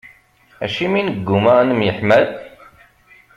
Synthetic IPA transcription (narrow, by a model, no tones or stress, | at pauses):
æ̰ʃiminəɡːumaʁanəmjəħmæð